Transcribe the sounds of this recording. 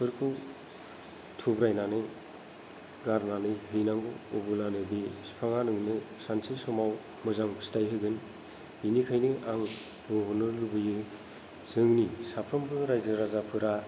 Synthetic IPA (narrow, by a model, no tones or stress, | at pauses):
pʰɯɾkʰɯw | tʰubɾajnanɯ | ɡaɾnanɯɦɯjnaŋɡɯɔbɯnanɯbispʰaŋanɯŋnɯ | sansisɔmaw | mɯzaŋʰstajɦɯɡɯn | hinikʰajnɯʔaŋ | oɦɔnɯlubɯjɯ | zɯŋnisapʰɾɔmbɯɾajzɯɾazapʰɯɾa